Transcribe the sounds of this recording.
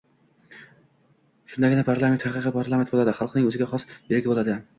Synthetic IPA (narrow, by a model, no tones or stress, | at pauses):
ʃʊnd̪aɡʲɪnapʰaɾlˠamet̪hɑqɨqɨpʰaɾlˠament̪bolˠad̪ɪχɑlˠqnɪŋɵzɪɡʲaχɒsjeɾɡʲɪbolˠad̪ɪ